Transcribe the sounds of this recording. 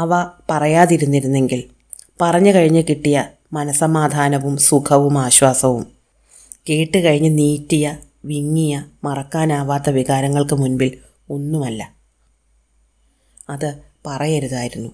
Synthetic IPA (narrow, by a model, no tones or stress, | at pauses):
ɐʋɐpɐrɐjaːðiɾunːiɾunːe̞ŋɡil | pɐrɐɲːɨkɐɻiɲːɨkiʈːijɐ | mɐnɐsɐmaːd̪ʱaːnɐʋumsukʰɐʋumaːɕwaːsɐʋum | keːʈːɨkɐɻiɲːɨniːtːijɐ | ʋiŋːijɐmɐrɐkːaːnaːʋaːt̪ːɐʋiɣaːɾɐŋːɐɭkɨmunbil | o̞nːumɐlːɐ | ɐðɨpɐrɐjɐɾuðaːjiɾunːu